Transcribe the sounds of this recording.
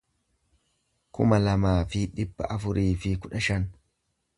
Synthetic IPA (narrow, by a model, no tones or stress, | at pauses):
kʊ̰mɐlɐmaːfɪᶑɪbːɐ̰ʔɐfʊɾʔiːfɪkʊᶑɐʃɐn